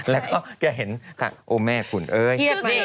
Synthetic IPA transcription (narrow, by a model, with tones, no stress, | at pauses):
lɛː˦˥wkɔː˥˩kɛː˧ɦe˩˦nk̪ʰa̰˧˩ʔoː˧mɛː˥˩pʰu˨˩˦nʔɤː˧j